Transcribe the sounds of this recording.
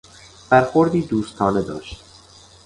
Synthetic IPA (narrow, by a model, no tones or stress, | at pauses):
b̥æɾxoɾd̪iːd̪uːst̪ʰɒːne̞d̪ɒ̰ːʃt̪